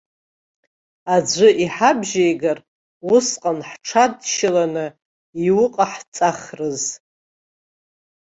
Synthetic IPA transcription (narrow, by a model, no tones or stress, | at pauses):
ad͡ʒʷɨʔiħabʒejɡar | wʊsqʼanħʈ͡ʂʰadʃɪlanɨ | iwʊqʼaħt͡sʼaχrɨz